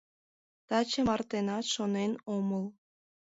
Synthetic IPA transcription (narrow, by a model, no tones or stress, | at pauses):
t̪ɑt͡ɕəmɑrt̪enɑt̪ʃonenoməl